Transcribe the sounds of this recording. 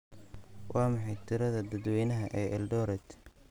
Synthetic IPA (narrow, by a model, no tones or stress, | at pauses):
wʔɑːmɑħɑjt̪ʰɪɾɐðɐd̪ɐd̪wɛjnɐɦɐʔɛːʔɛlɖɔːɾɛt̪